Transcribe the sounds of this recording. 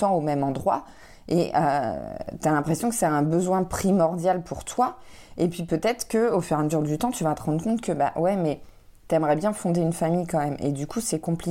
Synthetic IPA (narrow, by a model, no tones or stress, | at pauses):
t̪ɑ̃omɛmɑ̃d̪ʁwa̰ | eʔø̰t̪yalɛ̃pχesjɔ̃kə̥sɛɛ̃bəzwɛ̃pχimɔʁd̪jalpʰuʁt̪wa | epɥipøt̪ɛt̪χkəofyʁaməzyʁd̪yt̪ɑ̃t̪yvat̪əʁɑ̃d̪ʁəkɔ̃t̪̚kəba̰wɛmɛ | t̪yɛmʁɛbjɛ̃fɔ̃d̪eynfamijkɑ̃mɛmḛd̪ykʰusɛkɔ̃pli